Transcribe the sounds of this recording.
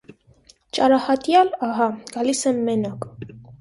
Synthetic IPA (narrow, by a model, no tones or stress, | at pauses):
t͡ʃʼɑɾahɑt̪ʼjalɑɦɑɡ̥ɑlisɛmːɛnakʼ